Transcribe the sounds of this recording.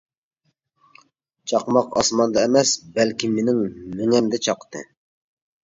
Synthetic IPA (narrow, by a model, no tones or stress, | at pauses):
t͡ʃʰɑqmɑqɑ̰smɑnd̪ɑemɛsbælkʲimenɪŋmeŋɛmd̪ɛt͡ʃʰɑqt̪ɨ̰